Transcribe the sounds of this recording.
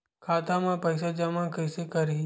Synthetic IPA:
kʰaːt̪amãpɐɪsad͡ʒɐmãkɐɪsekɐɾi

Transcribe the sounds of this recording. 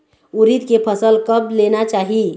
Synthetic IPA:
uɾit̪kepʰəsəlkəblenat͡ʃaːɦi

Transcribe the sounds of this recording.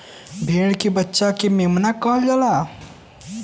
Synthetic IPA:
bʱeːɽkibətːʃakememnakəɦld͡ʒala

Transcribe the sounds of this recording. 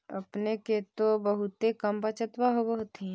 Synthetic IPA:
ɐ̰pneket̪obəɦʊt̪ekəmpat͡ʃət̪waɦoɡoɦot̪ĩ

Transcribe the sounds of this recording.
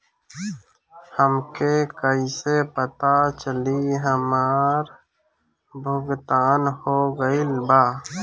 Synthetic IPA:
həmkekəisepət̪at͡ʃəliɦəmaːɾ | bʱʊɡt̪aːnhoɡəilbaː

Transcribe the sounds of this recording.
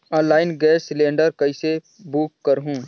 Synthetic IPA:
ɔ̃ːlaːɪnɡɛːsːlẽːɳɖəɾkɐise | buːkːəɾɦũː

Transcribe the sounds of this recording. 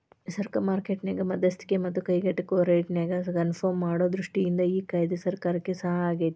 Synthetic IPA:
sɐɾkɐmaːɾkeːʈneːɡɐmɐd̪ɐst̪ʰi̥kemɐt̪ːukɐjɡɐʈːikoːɾejʈneɡɐkɐnpʰoːmːaːɽoːd̪ɾuʂʈijind̪ɐiːkaːjd̪esɐɾkaːɾɐkːesɐɦɐaːɡejt̪

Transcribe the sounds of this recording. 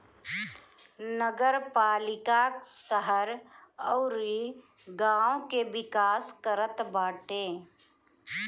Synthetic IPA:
nəɡəɾpaːlɪkaksəɦəɾɔːɾi | ɡãːõkeʋɪkaːskəɾət̪baːʈeː

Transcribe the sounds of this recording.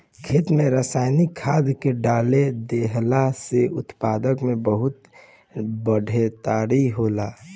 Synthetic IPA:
kʰeːt̪mẽɾəsaːjnikʰːaːd̪keɖaːled̪eɦlaseʊt̪paːd̪əkmẽbəɦʊt̪ | bəɖʱet̪aːɽiɦola

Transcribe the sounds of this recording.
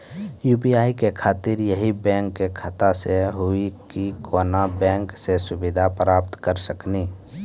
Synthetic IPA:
juːpiaːikekʰaːt̪ɪɾjəɦibɛ̃ːŋkːekʰət̪aseɦʊikikoːnabɛ̃ːŋksesʊbɪd̪ʱapɾaːpt̪kəɾsəkniː

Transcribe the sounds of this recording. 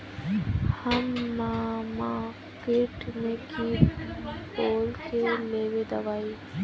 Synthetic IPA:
həmːaːmaː | keʈmẽki | poːlkeleːʋed̪əʋaːi

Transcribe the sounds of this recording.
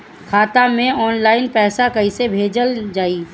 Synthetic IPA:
kʰaːt̪amẽɔːnlaːɪnpɛːsakɐɦĩsebʱeːd͡ʒəld͡ʒaːiː

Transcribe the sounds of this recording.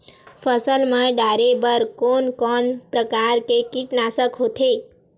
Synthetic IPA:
fʰəsəlmãɖaɾebəɾkonkɔnpɾəkaɾkekiʈnasəkɦot̪ʰe

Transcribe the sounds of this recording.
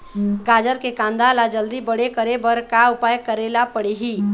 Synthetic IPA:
ɡaːd͡ʒəɾkekãːnd̪alad͡ʒəld̪ibəɽekəɾebəɾkaʊpaːjkəɾeːlapəɽeɦiː

